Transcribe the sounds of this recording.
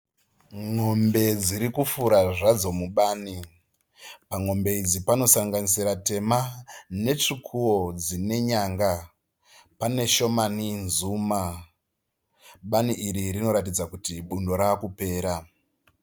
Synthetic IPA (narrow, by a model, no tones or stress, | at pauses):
ŋo̞mbe̞d͡ziɾikufuɾaʐad͡zo̞muɓaːni | paŋo̞mbe̞id͡zipano̞saŋɡanis̬iɾate̞mane̞t͡ʂikʰuwo̞d͡zine̞ɲaŋɡa | pane̞ʃo̞maninzuːma | ɓaniʔiɾirino̞ɾatid͡zakutiɓundo̞ɾakupe̞ːɾa